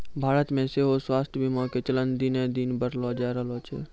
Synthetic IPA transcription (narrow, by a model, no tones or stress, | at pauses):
bʱaːɾət̪mẽseɦoswaːst̪ʰjbʱimɔːket͡ʃələnd̪inẽd̪inbəɾlɔːd͡ʒaːɾəloːt͡ʃʰḛ